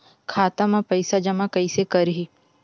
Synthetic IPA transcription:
kʰaːt̪amãpɐɪsad͡ʒɐmãkɐisekɐɾɦi

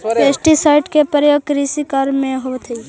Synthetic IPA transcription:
peːsʈisaɪʈkepəɾjoːɡ̚kɾisikaɾmẽɦot̪ʰi

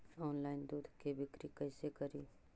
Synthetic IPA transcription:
ɔːnlaːɪnd̪uːd̪ʱkebɪkɾikɐːsekɐɾiː

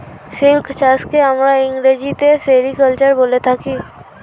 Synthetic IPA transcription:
sɪlkt͡ʃaːskeɦəmɾaɪ̃ŋɡɾeːd͡ʒit̪eseːɾikəlt͡ʃəɾboːlet̪ʰaki

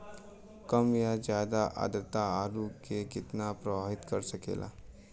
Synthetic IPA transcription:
kəmjad͡ʑad̪aʔa̰d̪ɾət̪aːɾukekit̪napɾəʋaɦit̪kəɾsəkḛlʔa̰

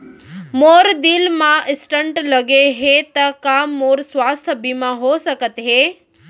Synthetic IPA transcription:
moɾd̪ilmãʔɪsʈəɳʈləɡeɦet̪əkamːoɾsʋaːst̪ʰəbimaɦosəkət̪ɦe

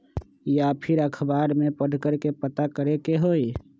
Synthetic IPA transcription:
japʰɪɾəkʰbaːɾmepəɖʱkəɾkepət̪akəɾekeɦoːi

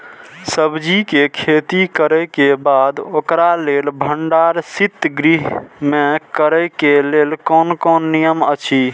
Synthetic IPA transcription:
səbd͡ʒikekʰet̪ikəɾɛkebad̪okɾalelbʱəɳɖaɾsit̪ɡɾiɦmekəɾɛkelelkɔnkɔnːijəmət͡ʃʰi

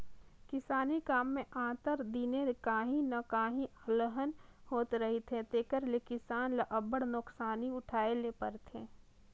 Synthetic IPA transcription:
kɪsaːnikaːmːẽʔãːt̪əɾd̪iːnekaːɦĩnɐkaːɦĩləɦənhoːt̪ɾɐɦit̪ʰet̪eːkəɾlekɪsaːnlɐʔɐbəɽnʊksaːniʊʈʰaːelepəɾt̪ʰeː

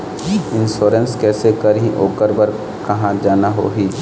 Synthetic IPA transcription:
ɪnʃoːɾənskɛːsekəɾĩʔoːkəɾbəɾ | kɐɦãd͡ʒaːnaɦo̰ːɦiː

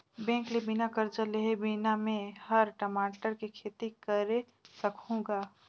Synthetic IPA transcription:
bɛ̃ːŋklebinakəɾd͡ʒəleɦebinamẽhəɾʈəmaːʈəɾkekʰeːt̪ikəɾe | səkɦũɡa

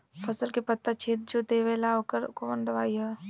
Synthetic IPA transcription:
pʰəsəlkepət̪ːat͡ʃʰeːt̪̚d͡ʒod̪eʋelaokəɾkoʋənd̪əʋaːiɦɛ

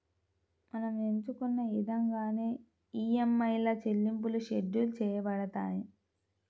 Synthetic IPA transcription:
mɐnɐmeɲt͡ʃukunːɐid̪ɐŋɡaːne̞ː | iːemːɐjlɐt͡ʃelːimp̬uluʃeɖːulut͡ʃɛːjɐbɐɽɐt̪a̰ːji

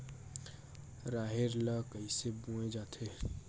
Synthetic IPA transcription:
ɾaːɦeɾlakəisebũed͡ʒaːt̪ʰe

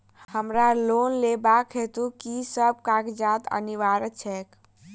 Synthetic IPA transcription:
həmɾalonlebakɦet̪ukisəb̚kakd͡ʒat̪ə̰niʋaɾət͡ʃʰɛk

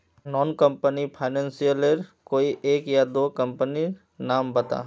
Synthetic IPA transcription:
nɔːnkə̃mpənipʰaɪnɛ̃ːnsijəleɾkoːiʔeːkjad̪oːkɐ̃mpəni | naːmbɐt̪a̰ː

